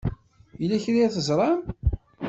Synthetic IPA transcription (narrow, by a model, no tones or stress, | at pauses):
jilːæçɾiæθəzˤɾˤɑm